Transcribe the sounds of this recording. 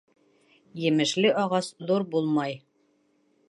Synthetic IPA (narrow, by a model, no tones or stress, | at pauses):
jɘ̆mɘ̆ʃlɘʔɒʁɑsðuɾbulˠmɑj